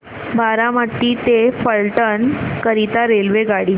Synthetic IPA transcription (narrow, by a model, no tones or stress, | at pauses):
baɾamət̪ːiːt̪efəɭʈənkəɾit̪aɾelʋeɡaɽiː